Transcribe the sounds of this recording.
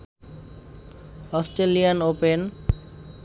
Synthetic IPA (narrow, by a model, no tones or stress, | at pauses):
ɔsʈɾelianopen